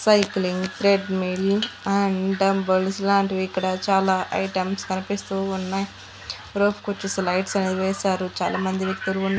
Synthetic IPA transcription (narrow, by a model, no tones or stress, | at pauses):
sɐjkliŋɡt̪ɾeɖmilɐɳɖɐmbɐlslaːɳʈiʋiikːɐɽɐt͡ʃaːlaːʔɐ̰jʈɐmskɐnipist̪uːunːɐj | ɾoːpʰkot͡ʃːeslɐjʈsɐneːd̪iʋɛːsaːɾut͡ʃa̰ːlʔaːmɐnd̪iʋjek̚t̪ulunː